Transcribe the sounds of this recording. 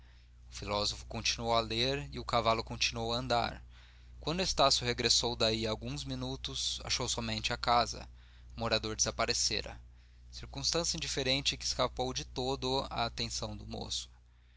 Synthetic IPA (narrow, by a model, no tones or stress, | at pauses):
ʊfilɔzofʊ̥kõnt͡ʃinuowaleɾɪʊkavalʊkõnt͡ʃinuowɐɐ̃nd̪a̰ɾ | kwɐ̃nd̪ʊest̪asjʊɦeɡɾesowd̪aiawɡũzminut̪ʊsa̰ʃowsɔmẽnt͡ʃɪakazɐ̰ | ʊmoɾad̪oɾd͡ʒɪzapaɾeseɾɐ̰ | siɾkũst̪ɐ̃sjɐĩd͡ʒifeɾẽnt͡ʃɪkɪːskapowd͡ʒɪt̪od̪ʊa̰ːt̪ẽsɐ̃w̃d̪ʊmo̰sʊ̥